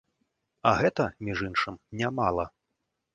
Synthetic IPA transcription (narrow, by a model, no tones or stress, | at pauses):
ɐɣɛt̪ɐmʲiʐinʂɨmnʲamalˠɐ